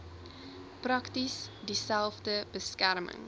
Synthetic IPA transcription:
prɐktisdisælˠfdəbəskærmə̰ŋ

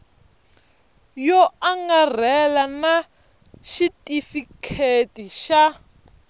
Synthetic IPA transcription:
jɔaŋɡar̤ɛlana | ʃitʼifikʰetiʃa

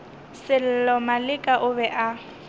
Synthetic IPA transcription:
sɪl̩lɔmalɪkʼaʔʊbɛʔa

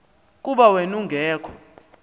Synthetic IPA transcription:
k̬ʼuɓawenuŋɡʱɛːkʰɔ̥

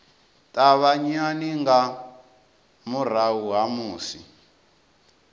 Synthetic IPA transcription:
tʼaβaɲaniŋɡa | mur̤aɦuɦamuːsi

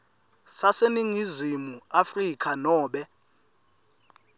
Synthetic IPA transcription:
saseniŋizimuafrikʰʼanɔːɓɛ

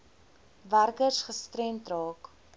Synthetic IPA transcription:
værkərsχəstɾɛntrɑːk

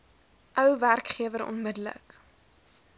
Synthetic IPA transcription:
ʔœwværkχiəvəɾɔ̰nmədələ̰k

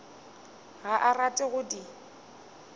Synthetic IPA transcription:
ɣaʔaratʼɪɣʊdi

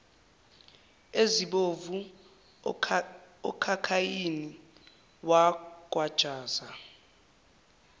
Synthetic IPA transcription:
eziɓovu | ɔ̰kʰakʰajini | wak̬ʼwad̥ʒ̥ʱaːza

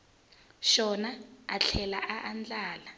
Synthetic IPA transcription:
ʃɔnaaɬʰɛlaʔaʔand͡ɮaːla

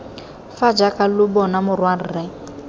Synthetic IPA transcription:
fad͡ʒakʼalʊbɔnamʊrwarirɛ

